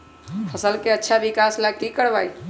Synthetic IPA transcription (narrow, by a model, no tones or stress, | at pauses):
pʰəsəlkeətːʃʰaʋikaslakikəɽʋai